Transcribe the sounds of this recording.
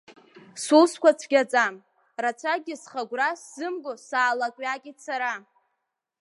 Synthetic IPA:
suskʷʰat͡sʷʰɡʲat͡sʼam | rat͡sʷʰaɡʲɪsχaɡʷrasz̥ɨmɡʼosaːlakʷʼɥakʲʼisʰaɾa

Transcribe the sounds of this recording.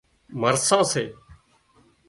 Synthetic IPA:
məɾsãːseː

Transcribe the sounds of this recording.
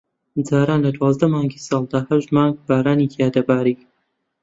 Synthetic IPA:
d͡zaːɾaːnlɐd̪wɑːzd̪ɐmaːŋɡiːsɑːlˠd̪aːhɐʃd̪mɑːŋɡ̚b̥aːɾaːnitʰiaːd̪ɐbaːɾiːk

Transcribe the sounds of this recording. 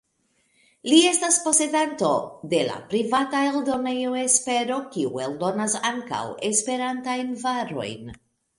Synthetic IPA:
lie̞staspo̞se̞danto̞de̞la̰pɾivatae̞ldo̞ne̞joespe̞ɾo̞kiṵe̞ldo̞nasaŋka̰we̞spe̞ɾantajnvaɾo̞̰jn

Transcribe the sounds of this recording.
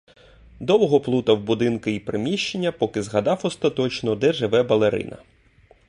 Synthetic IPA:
d̪ɔwɦɔplˠut̪ɐwbʊd̪ɪnkɪipɾɪmʲiʃt͡ʃenʲːɐpɔkɪzɦɐd̪ɑwɔst̪ɐt̪ɔt͡ʃnɔd̪ɛʒɪʋɛbɐlˠeɾɪ̰nɐ̰

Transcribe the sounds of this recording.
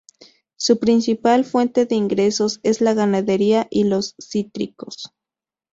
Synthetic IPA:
supɾinsipalfwent̪eðeiŋɡɾesose̞slaɣanaðeɾiaʔilosːit̪ɾḭko̰s

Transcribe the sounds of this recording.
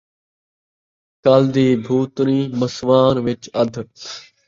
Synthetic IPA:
kaːld̪iːbʱuːt̪ɾĩːməsʋaːnʋɪt͡ʃɐd̪ʱ

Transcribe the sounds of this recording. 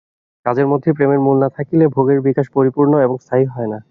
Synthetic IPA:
kad͡ʑeɾmod̪ʱːepɾemeɾmulnat̪ʰakilebʱoɡeɾbikaʃpoɾipuɾnoeboŋst̪ʰaɦiɦɔena

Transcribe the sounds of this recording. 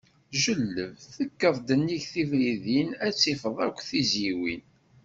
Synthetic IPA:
ʒəlːəvθəkːəvˤd̪ənːiʝθivɾiðinæt͡sːifəðˤækʷːθiziwin

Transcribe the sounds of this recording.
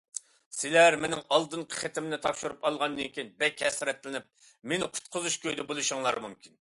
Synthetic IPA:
sɪlæɾmenɪŋɑlˠd̪ɨnqʰə̥χet̪ʰɪmnɪt̪ʰɑpʃuɾupɑlˠʁɑnd̪ɨŋkʲinbɛkʲhɛsɾɛt̪lɪnɪp̚ | menɪqʰʊ̥t̪̚qʰʊzuʃkʲøjd̪ɛbolˠuʃuŋlˠɑ̰ɾmumkʲʰin

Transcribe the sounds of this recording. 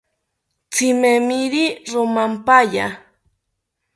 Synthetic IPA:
t͡simemiɾiɾomampaʎa

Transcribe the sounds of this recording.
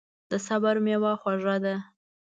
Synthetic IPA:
d̪əsabaɾmewɑxwaʐad̪a

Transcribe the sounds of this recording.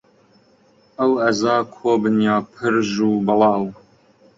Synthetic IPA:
əwɐzɑːkʰoːbɨnjɑːpʰɨɾʒuːbɨlˠɑːw

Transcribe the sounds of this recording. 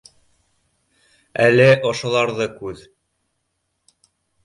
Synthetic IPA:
ælɘʔŏʃŏlˠɑɾðɤkʉð

